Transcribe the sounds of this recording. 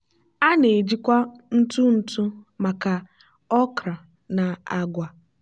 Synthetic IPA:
a˦ne˨d͡ʒi˦kʷa˦n̩˦tu˦n̩˨tʊ˦ma˨ka˨ | ɔ˦kɾa˨ | na˨a˦ɡʷa˨

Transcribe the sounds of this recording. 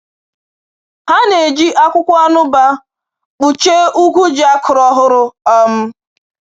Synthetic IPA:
ha˦ne˨d͡ʒi˦ʔa˦kʷʊ˦kʷa˦nʊ˦ba˦ | k͡pu˨t͡ʃe˦u˦kʷu˦d͡ʒa˦kʰʊ˨ɾɔ˨ɦʊ˦ɾʊ˦ɔ˦m̩˦

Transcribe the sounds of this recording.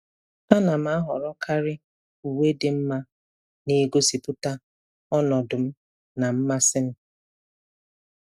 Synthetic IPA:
a˦na˨m̩˨˦a˦ɦɔ˨ɾɔ˦kʰa˦ɾɪ˦ | u˨we˦dɪ˨m̩˦ma˦ | ne˦ɡo˦si˨pʊ˦ta˦ | ɔ˦nɔ˨dʊ˨m̩˦ | na˨m̩˦ma˦sɪ˦m̩˦

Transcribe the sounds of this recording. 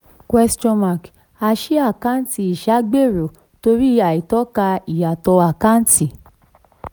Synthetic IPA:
kwɛ˧st͡ʃɔ̃˧ma˨k | a˧ʃi˦a˦˨ka˦n˦ti˨i˨ʃa˨˦ɡ͡be˦˨ɾo˨ | to˧ɾi˦a˨i˨tɔ˨˦ka˧i˨ja˨tɔ˧a˨kã˦n˦ti˨

